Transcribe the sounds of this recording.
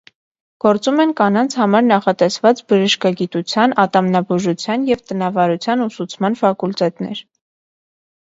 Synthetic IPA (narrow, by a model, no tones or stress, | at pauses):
ɡ̥ɔɾt͡sumɛnkɑnɑnt͡sʰhɑmɑɾnɑχɑt̪ɛsvɑt͡sbəʒəʃkɑɡit̪ut͡sʰjɑnɑt̪ɑmnɑbuʒut͡sʰjɑnjɛvt̪ənɑvɑɾut͡sʰjɑnusut͡sʰmɑnfɑkult̪ɛt̪nɛ̰ɾ